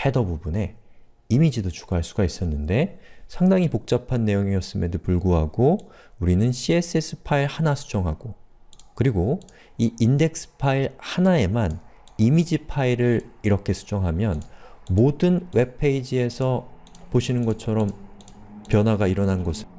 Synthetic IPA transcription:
he̞dʌbubune̞ | imid͡ʑidot͡ɕu̥ɡaɦaɭs͈uɡais͈ʌnːɯnde̞sʰaŋdaŋipok̚t͡ɕ͈apʰanːe̞joŋiʌs͈ɯmedopuɭɡoɦaɡo | uɾinɯnɕʰie̞s͈es͈ʰɯ̥pʰaiɭhanasʰu̥d͡ʑʌŋɦaɡ̥okɯɾiɡo | iinde̞k̚s͈ʰɯ̥pʰaiɭhanae̞man | imid͡ʑipʰaiɾɯɾiɾʌkʰe̞sʰu̥d͡ʑʌŋɦamjʌnmodɯnwe̞pʰe̞id͡ʑie̞sʰʌ | poɕʰinɯnɡʌt͡ɕʰʌɾʌm | pjʌnwaɡaiɾʌnanɡʌsʰɯ

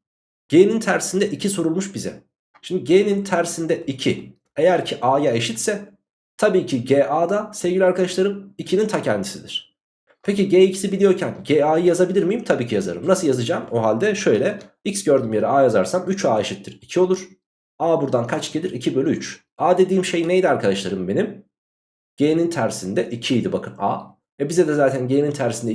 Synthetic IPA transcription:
ɟ̥eːnint̪ʰæɾsind̪ɛʔicʰisoɾulˠmuʃbizɛ̰ | ʃimd̪iɟenint̪ʰæɾsind̪ɛʔicʰi | e̞jæɾcʰiʔaːjae̞ʃit̪sɛ | t̪ʰabiːcʰiɟeːʔaːd̪asevɟilʲiaɾkad̪aʃlˠaɾɯmicʰinint̪ʰacʰɛnd̪isid̪iɾ̥ | pʰeciɟeːicʰi̥sibilʲijo̞ɾcʰænɟeːaːjɯjazabilʲiɾmijimt̪ʰabiːcʰijaza̰ɾɯ̰mnasɯlˠjazɯd͡ʒaːmoɦalʲd̪ɛʃø̞jlʲɛicsɟø̞ɾd̪ymje̞ɾɛaːjazaɾsamyt͡ʃaːeʃit̪ːiɾicʰio̞lˠuɾ̥ | aːbuɾd̪ankʰat͡ʃɟelʲiɾicʰibølʲyyt͡ʃ | aːd̪e̞d̪iːmʃe̞jnejd̪iaɾkʰad̪aʃlˠaɾɯmbe̞nim | ɟ̥eːnint̪ʰæɾsind̪ɛʔicʰijd̪ibakʰɯna̰ː | ɛbizɛd̪ɛzaːt̪ʰænɟeːnint̪ʰæɾsind̪ɛ

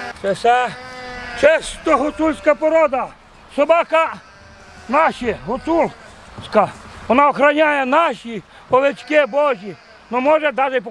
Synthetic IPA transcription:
t͡ʃɛsʲa | t͡ʃɛst̪ɔɦʊt̪ulʲsʲkɐpɔɾɔd̪ɐ | sɔbaka | nɑʃiɦʊt̪ulʲˠ | sʲkaʋɔnaɔxɾɐnʲajɛnɑʃi | ɔʋet͡ʃkɛbɔʒʲi | nɔmɔʒɛd̪aʒɪp

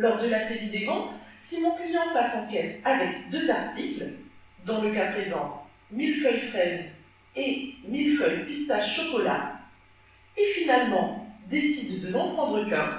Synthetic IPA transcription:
lɔʁd̪əlasezid̪evɑ̃t̪simɔ̃kijɛ̃pasɑ̃kʲɛsavɛkd̪øzaʁt̪ikl | d̪ɑ̃ləkapχezɑ̰̃ | milfœjfχɛz | emilfœjpist̪asʃɔkɔla̰ | efinalmɑ̃d̪esid̪ːənɔ̃pχɑ̃d̪ʁəka

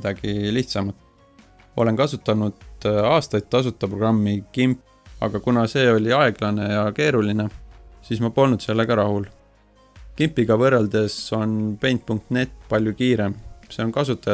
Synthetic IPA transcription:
d̪̥ɑɡ̥iliht̪sɑmɑt̪ːˑ | o̞le̞nkɑsut̪ːˑɑnud̪̥ɑːst̪ɑjd̪̚t̪ːɑs̬ut̪ːˑɑpro̞ɡ̥rɑmːikimpː | ɑ̰ɡ̥ɑkunɑse̞ːo̞lʲiɑe̞ɡ̥lɑne̞jɑke̞ːɾuline̞siːsmɑpo̞lnud̪se̞lːe̞ɡɑɾɑhul | kimpːˑiɡ̥ɑvɤrːeld̪̥e̞so̞npe̞jnt̪̚puŋk̚t̪ne̞t̪ːpɑlʲjukiːɾe̞mse̞o̞nkɑsut̪ːˑɑ

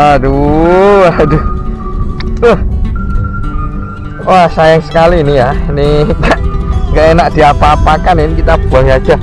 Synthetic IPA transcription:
adu | adu | ʊh | wasajaŋsə̥kaliːnijainiŋɡaʔŋɡaʔenak̚d̥iapaːpakaninikit̪abaɦiad͡ʒa

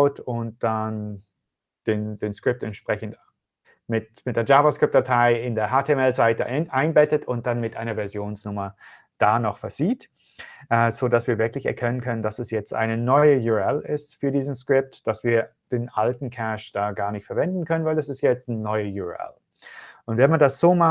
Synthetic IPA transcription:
aʊtʊnt̚d̥an | d̥eːnd̥eːnskʁ̥ɪp̚tɛntʃpʁ̥ɛçn̩t | mɪtmɪt̚d̥eːɐd͡ʒaːvɐskʁ̥ɪp̚td̥atʰaɪɪndeːɐɦaːtʰeɛmɛlzaɪt̚də̰ʔaɪnbɛtətʰʊnt̚d̥anmɪtʔaɪnɐvɛɐzjoːnsnʊmɐ | d̥aːnɔχfɛɐziːt | ʔɛːzoːdasv̥iːɐvɪɐklɪçɛ̰ɐkʰɛnənkʰœnənd̥asɛsjɛt͡stʔa̰ɪnənɔʏəjuɛlɪstfyːɐdiːzn̩skʁ̥ɪp̚td̥asv̥iːɐd̥eːnʔaltn̩kʰɛʃd̥aːɡaːɐnɪçtfɛɐvɛndn̩kʰœnənvaɪldasɪstjɛt͡stnɔʏəjuɛ̰l | ʔʊntv̥ɛɐmandasz̥oːma

